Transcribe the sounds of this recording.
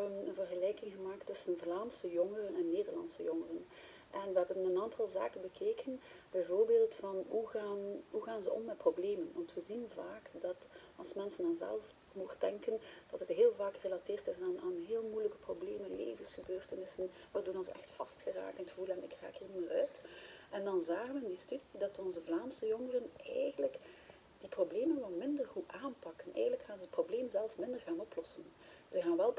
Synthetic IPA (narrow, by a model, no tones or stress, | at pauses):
ənvərɣəlɛːjkɪŋɣəmaːk̚tːɵsənvlaːmsəjɔŋərənɛnːeːdərlɑ̰nsəjɔŋərən | ʔɛnʋəɦɛbənənaːntʰɑlˠza̰ːkənbəkʰeːkənb̥ɛjvoːrbeːlˠtfɑnɦuɣaːnɦuɣaːnzəʔɔ̰mːɛt̚probleːmənʋɑntʋəzinvaːkdɑtɑlˠsmɛnsənanzɛ̰lˠf | moxd̥ɛŋkənd̥ɑtətɦeːlˠvaːkrelateːrtɪsaːnaːnɦeːlˠmujləkə̥probleːmənlḛːvənsxəbøːrtənɪsən | ʋaːrduːnɔnzɛ̰xtfɑstxəra̰ːktənətxəvulənɪ̰kra̰ːkiːrnimaːrœːtɛndɑnzaːɣənʋəɪndistydidɑtɔnzəvlaːmsəjoŋərənɛ̰jɣənlək | d̥iprobleːmənʋɛlˠmɪndərɣuʔaːnpɑkənɛ̰ːjənləkxaːnzəət̚probleːmzɛlˠfmɪndərɣaːnɔplɔsənzəɣaːnʋɛlˠ